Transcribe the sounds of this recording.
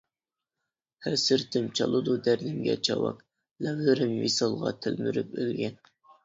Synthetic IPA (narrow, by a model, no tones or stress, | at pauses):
hæsɪɾt̪ʰɪmt͡ʃʰɑlˠɨd̪ud̪æɾd̪ɪŋɡʲɛ̰t͡ʃʰɑwɑ̰k | lɛvlɪɾɪmjisɑlˠʁɑ̰t̪ʰɪlmyɾypylɡʲɛn